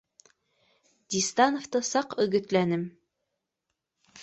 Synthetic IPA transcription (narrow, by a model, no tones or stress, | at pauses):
d̪̥ʲist̪ɑnoft̪ɤsɑqɵ̆ɡɵ̆t̪lænɘm